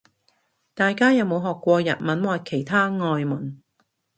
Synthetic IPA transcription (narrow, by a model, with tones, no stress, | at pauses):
t̪aː˨jkaː˥jɐ˨˧wmo˨˧wɦɔː˨˩kʷːɔː˧jɐ̰˨t̚mɐ˨˥nwaː˨˧jkʰe˨˩jt̪ʰaː˥ŋɔː˧jmɐ˨˩n